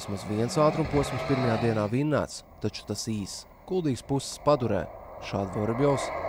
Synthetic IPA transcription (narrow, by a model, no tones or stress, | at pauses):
smasviɛnsaːt̪ɾumpuɔsʲmspiɾmajaːd̪iɛnaːvinːæ̰ːt̪st̪at͡ʃu̥t̪asiːs | ɡ̥ulˠd̪iːɡspusːspad̪uɾɛ̰ːʃaːd̪vɔɾibʲjɔws